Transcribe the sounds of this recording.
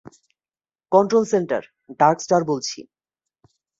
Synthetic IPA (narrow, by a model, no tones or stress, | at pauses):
kɔɳʈɾolsenʈa̰ɾ | ɖaɾksʈaɾbolt͡ɕʰḭ